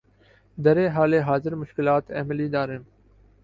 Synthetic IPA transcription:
d̪əɾeːɦaːleːɦaːzɪɾmʊʃkɪlaːt̪ḛːmɪliːd̪aːɾɦɪm

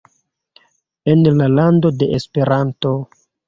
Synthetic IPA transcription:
e̞nlalando̞de̞ʔespe̞ɾanto̞

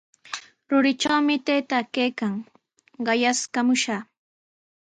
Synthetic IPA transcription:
ɾʊɾɪt͡ʃawmɪt̪ejt̪akejkaŋ | ɢɑjaskamʊʃaː

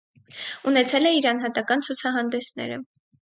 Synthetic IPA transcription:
unɛt͡sʰɛlɛiɾɑnɦɑt̪ɑkɑnt͡sʰut͡sʰɑɦɑnd̪ɛsnɛ̰ɾə̰

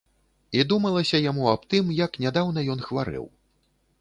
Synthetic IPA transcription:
id̪umɐlˠɐsʲɐjamuɐpt̪ɨmjɐknʲad̪awn̪ɐjɔn̪xvaɾɨ̰w

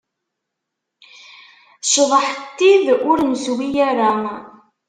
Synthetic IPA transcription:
ʃðˤəħt̪ːiðʊɾnswijæɾa

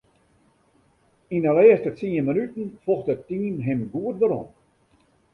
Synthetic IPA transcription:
inəlɛəstət͡siənmənytən̩fɔxtətːiːnɦɪmɡuət̚dəɾɔ̰n

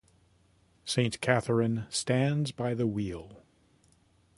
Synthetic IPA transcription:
sẽɪ̃nkʰæθə˞ɨ̃nstæ̃ndzbaɪðəwilˠ

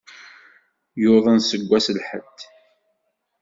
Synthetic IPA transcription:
jʊðˤənsəɡʷːæsəlħə̰d̪

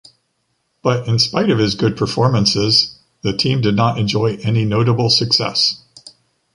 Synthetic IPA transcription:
b̥ʌɾɨ̃nspaɪɾʌv̥ɨzɡʊd̚pʰə˞fɔɹmɨ̃nsɪz | ðɨtʰĩmdɨdⁿnəɾɨ̃nd͡ʒɔɪʔɛninoʊɾəbl̩ˠsɨksɛ̰s

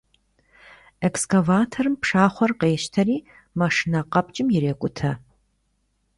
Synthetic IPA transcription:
ɛkskʰɐvaːtʰɐrɨmpʂaːχʷɔrqeːʃtʰɐɾiː | mɐʂɨnɐqɐp̚ʼt͡ʃʼɪmjɪɾeːkʷʼʊtʰɐ

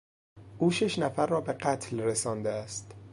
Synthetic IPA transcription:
ʔuːʃeʃnæfæɾːɒːbe̞ɢæt̪ʰlresɒːnd̪eæst̪

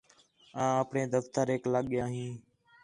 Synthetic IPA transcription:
ãːəpɳeːd̪əft̪əɾɦeːkləɠjãːɦĩː

